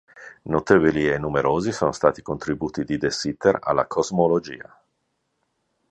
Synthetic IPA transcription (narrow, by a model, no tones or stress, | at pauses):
not̪eːvolienːumeɾoːzisoːnost̪aːt̪i̥kont̪ɾibuːt̪id̪id̪esit̪eɾa̰lːa̰kʰozmolod͡ʒḭːa̰